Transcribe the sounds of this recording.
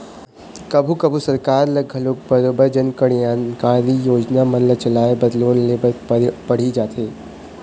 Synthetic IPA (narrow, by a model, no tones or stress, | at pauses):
kɐbʱukɐbʱusɐɾkaːɾlɐɡʱɐloːk̚bɐɾoːbəɾd͡ʒɐnkɐɽijaːnkaːɾijoːd͡ʒnamɐnlət͡ʃɐlaːebɐd̪loːnleːbəɾpɐɽ̤id͡ʒaːt̪eː